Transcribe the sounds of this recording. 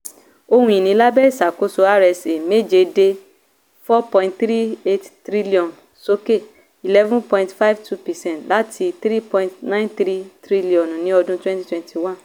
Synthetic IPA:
o˧hũ˦i˨nĩ˨˦la˦bɛ˦i˦˨sa˨ko˨˧so˧a˦ɾɛ˧se˨me˦d͡ʒe˧de˧ | fɔ˦pɔ̃˧˨ĩntθɾi˦e˦ttɾi˦li˦ɔ̃˨n | so˦ke˦˨ | i˨lɛ˦vũ˦npɔ̃˧ĩ˧ntfa˦jvtʰu˦pɛ˨sɛ̃˦ntla˦tʰi˧θɾi˦pɔ̃˧ĩ˧ntnã˦ĩ˦nθɾi˦tɾi˦li˦˨ɔ̃˨n˨nĩ˨˦ɔ˧dũ˦twɛ̃˦ti̥˦twɛ̃˧˨ntʰi˨wã˦n

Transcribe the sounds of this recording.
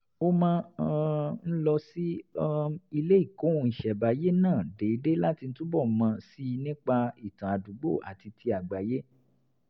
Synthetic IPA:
o˦mãː˦ | n̩˦lɔ˧si˦ | i˧le˦i˦˨kõ˨˦˧i˨ʃɛ˨ba˨˦je˦nãː˦˨de˨i˨˧˦de˦la˦ti˧n̩˦tu˦bɔ˦˨mã˧si˦nĩ˦k͡pa˧i˨tã˨a˨du˨˦ɡ͡bo˦˨ʔa̰˨ti˧tʰi˧a˨ɡ͡ba˨je˦

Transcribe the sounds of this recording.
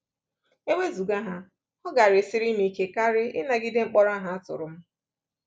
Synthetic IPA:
e˦wʷe˦zu˨ɡa˦ɦa˦ | ɔ˦ɡa˨ɾɪ˨sɪ˦ɾɪ˦mi˨ke˨ka˦ɾɪ˦ɪ˦na˨ɡɪ˦dɪ˦ŋ͡m̩˦k͡pɔ˦ɾa˦ɦa˦a˦tʊ̰˨ɾʊ˨m̩˦

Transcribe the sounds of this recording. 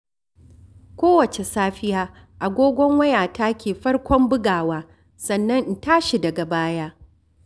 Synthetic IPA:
kʷoː˦wɐ˨t͡ʃe˨saː˦ɸɪ˦jaː˦ | ʔa˨ɡʷoː˦ɡʷɔ˦ŋwɐ˦jaː˨taː˦kʲeː˨ɸɐ˦rkʷɔ˦mbʊ˦ɡaː˨waː˦ | sɐ˨nːɐ˦n̩˨taː˦ʃi˨dɐ˨ɡa˨baː˦jaː˦

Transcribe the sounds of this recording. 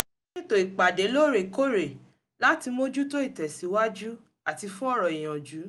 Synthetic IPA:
nĩ˦to˨i˨k͡pa˨de˨˦lo˦˨ɾe˨ko˦ɾe˨ | la˦ti˧mo˦d͡ʒu˦to˦i˦˨tɛ˨si˨˦wa˦d͡ʒu˦ | a˨ti˧fũ˦ɔ˦ɾɔ˨i˨j̃ã˨d͡ʒu˨˦

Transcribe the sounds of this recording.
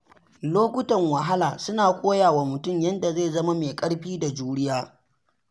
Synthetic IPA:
loː˦kʷʊ˦tɐ˨ŋwɐ˨ɦa˦laː˨sʊ˦naː˨kʷʼoː˦jaː˨waː˨mʊ˨tʊ˦mjɐ˦nda˨ze˦˨zɐ˦ma˦meː˨kʼɐ˦ɽɸiː˦da˨d͡ʒuː˦ɽɪ˦jaː˦

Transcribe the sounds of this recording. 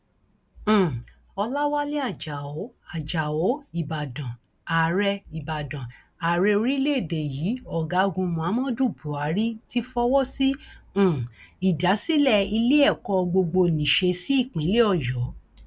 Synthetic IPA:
ɔ˧la˦wa˦le˦a˦˨d͡ʒa˨o˨˦a˨d͡ʒa˨o˨˦i˨ba˨dã˨ | a˨ɾɛ˧i˨ba˨dã˨ | a˨ɾɛ˧o˧ɾi˦le˦e˦˨de˨ji˨˦ɔ˨ɡa˨˦o˧ɡũ˧mũ˧a˨˦mɔ̃˦du˦˨bu˨˦a˨˦ɾi˦ti˦fɔ˦wɔ˦sĩ˦˨ | i˨da˨˦si˦lɛ˦˨i˧le˦ɛ˦˨kɔ˧ɡ͡bo˧ɡ͡bo˧nĩ˨ʃe˧si˦i˦˨k͡pĩ˨˦le˦ɔ˦˨jɔ˨˦

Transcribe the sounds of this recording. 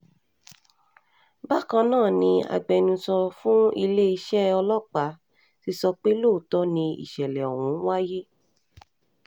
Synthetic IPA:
ba˦kã˧nãː˦˨nĩ˧a̰˧ɡ͡bɛ˨nũ˧sɔ˧fũ˦i˧le˦i˧ʃɛ˦ɔ˧lɔ˦˨k͡pa˨˦ | ti˧sɔ˧k͡pe˦lo˦˨tɔ˨˦nĩ˧ḭ˨ʃɛ˨lɛ˨ɔ̰˨wũ˨˦n̩˦wa˦je˦

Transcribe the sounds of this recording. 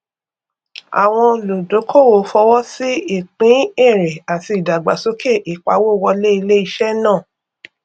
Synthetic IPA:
a̰˨w̃ɔ̃˧lo˨do˨˦kʰo˦˨wo˨˦fɔ˧wɔ˦si˦i˦˨k͡pĩ˨˦e˦˨ɾe˨a˨ti˧˨da˨ɡ͡ba˨so˦ke˦˨ʔi˨k͡pa˨˦wo˦˨wɔ˧le˦i˧le˦i˧ʃɛ˦nãː˦˨

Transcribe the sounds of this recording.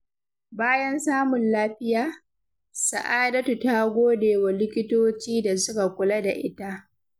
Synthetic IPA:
baː˦jɐ˦nsaː˦mʊ˨nlaː˦ɸɪ˦jaː˦˨ | sa˨ʔaː˦dɐ˦tu˨ta˦ɡʷoː˦deː˨wa˨lɪ˦kʲɪ˦toː˦t͡ʃiː˦da˨sʊ˦ka˨kʷʊ˨lɐ˦da̰˨ʔɪ˦ta˦ʔ

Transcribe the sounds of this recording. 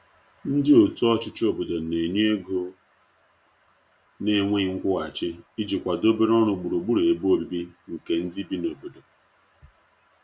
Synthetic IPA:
n̩˦dɪ˦o˨tu˦ɔ˦t͡ʃɪ˦t͡ʃo˨bo˨do˨ne˨ɲ˦e˦ɡo˦ | ne˦ŋʷe˦ŋ̩˦kʷʊ˦ɣa˨t͡ʃɪ˦i˦d͡ʒi˨kʷa˨do˦be˦ɾɔ˦ɾʊ˨ɡ͡bu˨ɾo˨ɡ͡bu˦ɾe˨bo˦bi˨bi˦ŋ̩˨ke˨n̩˦di˦bi˦no˨bo˨do˨

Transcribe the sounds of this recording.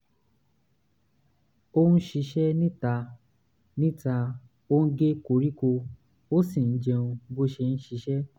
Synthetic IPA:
o˦nũ˦ʃi˧ʃɛ˦nĩ˦ta˧ | nĩ˦ta˧ | o˦n̩˦ɡe˦ko˧ɾi˦ko˧ | o˦sĩ˦˨n̩˦d͡ʒe˧ũ˧bo˦ʃe˧ñ̩˦ʃi˧ʃɛ˦

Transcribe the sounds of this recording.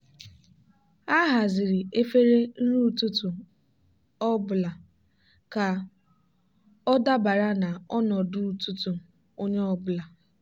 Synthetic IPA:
a˦ɦa˨zɪ˨ɾi˨e˦fe˦ɾe˦n̩˦ɾu˦˨tu˦tu˨ | ɔ˦bʊ˨la˨ | ka˨ | ɔ˦da˦ba˨ɾa˦na˨ɔ˦nɔ˨du˦u˨tu˦tu˨ | o˦ɲe˦ɔ˦bʊ˨la˨

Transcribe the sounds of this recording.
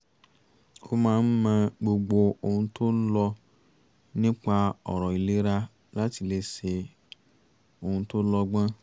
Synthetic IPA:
o˧mãː˦n̩˦mã˦˧ɡ͡bo˧ɡ͡bo˧o˧hũ˧to˦lɔ˧ | nĩ˦k͡pa˧ɔ˨ɾɔ˨i˨le˨˦ɾa˦ | la˦ti˧le˧se˧ | o˧hũ˧to˦lɔ˧ɡ͡bã˦

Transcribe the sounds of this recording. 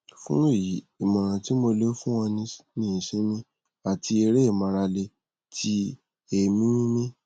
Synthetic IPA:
fũ˦e˦˨ji˨˦i˨mɔ̃˨ɾ̃ã˨ti˦mo˧le˦fũ˦wɔ̃˧nĩ˧nĩ˦˨sĩ˨˦nĩ˦ | a˨ti˧e˧ɾe˦i˦˨mã˧ɾa˧le˧ | tʰi˧˦ | e˨mĩ˦ĩ˦nĩ˦

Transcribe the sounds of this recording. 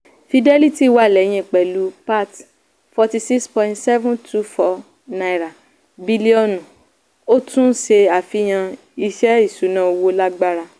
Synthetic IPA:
fi˧dɛ˦li˦ti˦˨wa˦˨lɛ˨˦j̃ĩ˧˨k͡pɛ˨lu˨˦pa˦˨t | fɔ˧ti˧si˦kspɔ̃˦ĩ˦ntsɛ˦vũ˦ntʰu˦fɔ˦ | na˧i˨ɾa˨ | bi˧li˦ɔ˦˨nũ˨ | o˦tũ˦ʃe˧a˨fi˦j̃ã˧ | i˧ʃɛ˦i˦˨su˨˦nã˦o˧wo˧la˦ɡ͡ba˦ɾa˧

